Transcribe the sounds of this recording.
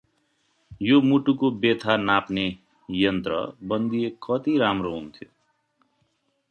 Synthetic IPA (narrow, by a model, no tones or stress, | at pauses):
jomuʈukobet̪ʰanapne | jʌnt̪ɾʌ̰bʌnd̪iekʌt̪iɾamɾoɦunt̪ʰijo